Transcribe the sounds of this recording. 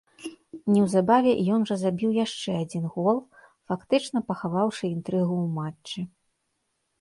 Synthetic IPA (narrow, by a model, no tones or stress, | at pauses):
nʲɛwzabavʲɛʔijɔnʐɐzabʲiwjaʂt͡ʂɛad͡zʲinɣɔlˠ | fakt̪ɨt͡ʂnɐpɐxavawʂɨint̪ɾɨɣuwmat͡ʂːɨ